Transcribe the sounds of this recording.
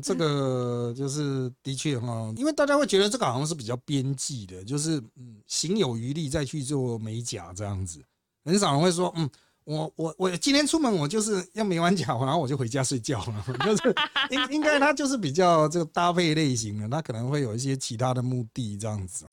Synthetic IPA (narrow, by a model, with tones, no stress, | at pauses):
ʈ͡ʂɤ˥˩ɡə˨˩t͡ɕjo˥˧ʊʂ̬ɻ̩˥˩t̪i˧˥t͡ɕʰɥɛ˥˧xɔ˥˧i˥nwe˥˩ɪt̪a˥˧˩t͡ɕa˥we˥˩t͡ɕɥɛ˧˥d̪ə˧t͡sɤ˥˩ɡə˩xŋʂ̬ɻ̩˥˩p̬i˨˩t͡ɕjɑ˥˩ʊpjɛ˦nt͡ɕi˥˩d̪ə˩t͡ɕjo˥˧ʊʂ̬ɻ̩˥˩˥ɕi˧˥ŋjo˨˩ʊy˧˥li˥˧t͡sa˥˧ɪt͡ɕʰy˥˧t͡swɔ˥˩me˧˥ɪt͡ɕja̰˨˩ʈ͡ʂɤ˥˧jɑ˥˩ŋd͡zɹ̩˩ | ɻə˧˦ns̬ɑ˨˩ŋnə˦ŋxwe˥˩ɪʂ̬wɔ˥n̩˥˩ | wɔ˨˩wɔ˨˩wɔ˨˩t͡ɕi˧˥nt̪ʰjɛ˥nʈ͡ʂʰu˥mə˧˦nwɔ˨˩t͡ɕjo˥˧ʊʂ̬ɻ̩˥˧jo˥˩ʊme˧˥ɪwa˧˦nt͡ɕja˨˩wɔ˨˩na˧˦˥o˥˩wɔ˨˩t͡ɕo˥˩ʊwe˧˥t͡ɕja˥swe˥˧ɪt͡ɕjɑ˥˩ʊə˩t͡ɕjo˥˧ʊʂɻ̩˥˩i˥ŋi˦˥ŋka˥ɪt̪ʰa˥t͡ɕjo˥˧ʊʂ̬̩˥˩p̬i˨˩t͡ɕjɑ˥˩˧ʊt͡sə˥˩ɡə˩t̪a˥pʰe˥˧ɪle˥˩ɪɕ̬i˧˥ŋd̪ə˨t̪ʰa˦˥kʰɤ˨˩nə˧˦ŋxwe˥˩ɪjo˨˩i˥ɕ̬jɛ˥t͡ɕʰi˧˥t̪ʰa˥d̪ə˨mu˥˧t̪i˥˧ʈ͡ʂɤ˥˧jɑ˥˩ŋd͡z̩˨˩